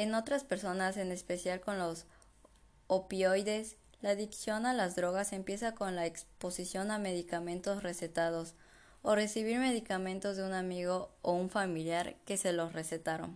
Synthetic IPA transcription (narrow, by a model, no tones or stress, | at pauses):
e̞no̞t̪ɾaspe̞ɾso̞nase̞ne̞spe̞sjalko̞nlo̞s | opjo̞jðe̞s | laːðiksjo̞nalazðɾo̞ɣase̞mpje̞sako̞nlaekspo̞sisjo̞name̞ðikamẽ̞nt̪o̞sre̞se̞t̪að̞o̞s | ore̞siβ̞iɾme̞ðikamẽ̞nt̪o̞zðeunamiɣo̞ːuɱfamiljaɾke̞se̞lo̞sre̞se̞t̪aɾo̞̰n